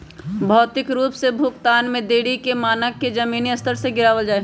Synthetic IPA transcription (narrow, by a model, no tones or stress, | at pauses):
bʱɔːt̪ɪkɾuːpsebʱʊkt̪aːnmẽd̪eːɽikemaːnəkːed͡ʒɐmiːniɐst̪əɾseɡɪɾaːʋəld͡ʒaːe